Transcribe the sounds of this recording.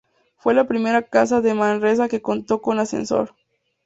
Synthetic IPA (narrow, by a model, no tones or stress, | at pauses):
fwe̞lapɾime̞ɾakas̬aðe̞manres̬ake̞ko̞nt̪o̞ko̞nasḛnso̞̰ɾ